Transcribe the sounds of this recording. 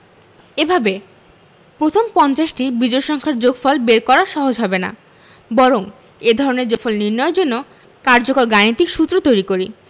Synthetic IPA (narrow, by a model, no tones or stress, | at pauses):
ebʱabe | pɾot̪ʰompɔnt͡ɕaʃʈibid͡ʑojʃɔŋkʰaɾd͡ʑoɡfɔlbeɾkɔɾaɾʃɔɦod͡ʑɦɔbena̰ | bɔɾoŋ | ed̪ʱɔɾoneɾd͡ʑɔfolniɾnɔeɾd͡ʑonːo | kaɾd͡ʑokoɾɡanit̪ikʃut̪ːɾot̪ojɾikoɾi